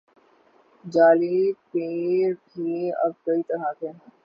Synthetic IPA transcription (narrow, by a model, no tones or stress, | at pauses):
d͡ʒaːlipeːɾʈʰiːɐ̰b̚kɐit̪ɐɾat̪ʰeː